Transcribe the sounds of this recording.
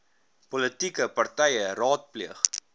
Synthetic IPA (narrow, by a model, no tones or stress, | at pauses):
pɔlətikəpɐrtɛjərɑːt̚pliəχ